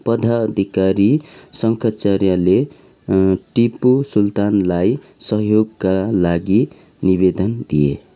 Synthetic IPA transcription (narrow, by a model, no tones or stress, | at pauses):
pʌd̪ʱaʌd̪ʱikaɾisʌŋkʰat͡sarjale | ʈipusult̪anlaj | sʌɦjoɡkalaɡi | niβed̪ʌnd̪ijḛ